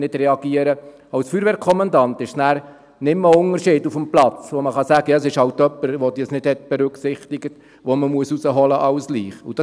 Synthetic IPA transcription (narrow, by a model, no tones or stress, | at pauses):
nɪd̥ɾɛɑɡ̥iəɾə | ɑwsfyːɾʋɛɾkʰχɔmɑndɑntɪʃnæːɾ | nɪmːəʊŋəʃiːdufəmplɑt͡sʋɔməχɑsæːɡəjɑsɪʃhɑwtœpːəɾʋɔd̥̪iːsnɪd̥hɛtb̥ɛɾʉksɪχt̪ɪɡət | ʋɔməmuəsusəɦɔləʔɑʊsliːχud̥ɑ